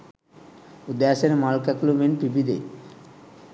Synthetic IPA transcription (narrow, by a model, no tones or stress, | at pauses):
ud̪aseɾemalkaklumenpɾibid̪ḛ